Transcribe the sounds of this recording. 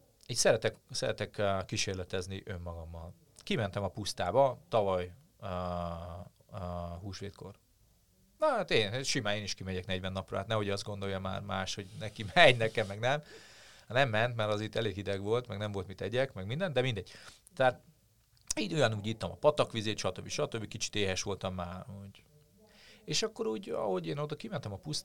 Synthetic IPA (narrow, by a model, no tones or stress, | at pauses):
iːc̪ʲsɛɾɛt̪ɛksɛɾɛt̪ɛkːiʃeːrlɛt̪ɛzniʔø̞mːɒɡɒmːɒl | kimɛnt̪ɛmɒpust̪aːbɒt̪ɒvɒj | ɦuːʃʋeːt̪ko̞̰r | nɒat̪eːnʃimaːneːniʃkimɛɟɛknɛɟʋɛnːɒprɒ̰a̰ːt̪nɛɦo̞ɟɒzd̪ɡo̞nd̪o̞jɒma̰ːrmaːʃho̞ɟnɛkimɛɲnɛkɛmːɛɡnɛmhnɛmːɛnt̪mɛɾɒzit̪ːɛleːɡɦid̪ɛɡʋo̞lt̪mɛɡnɛɱvo̞lt̪mit̪ɛɟɛkmɛɡmind̪ɛnd̪ɛmind̪ɛɟ̥̚ | t̪ɛaːt̪̚ | iːdojɒnuːɟit̪ːɒmɒpɒt̪ɒkʋizeːt̪ʃɒt̪øbːiʃɒt̪øbːikit͡ʃi̥t̪eːɦɛʃʋo̞lt̪ɒmːaːrhoɟ | eːʃɒkːo̞ɾuːɟɒ̰ho̞ɟeːnod̪ɒkimɛnt̪ɛmɒpust̪